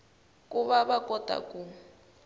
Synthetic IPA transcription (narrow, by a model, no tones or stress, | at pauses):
kʼuβaβakɔtʼa̰kʼu